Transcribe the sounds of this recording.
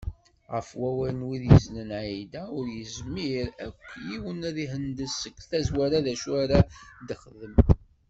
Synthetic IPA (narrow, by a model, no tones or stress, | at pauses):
ʁəfwæwæɾnwiðjəznənʕid̪æʊɾjəzmiɾækʷːjiwənðiɦənd̪əsːəkːθæzwæɾaðæʃwaɾad̪əχəðəm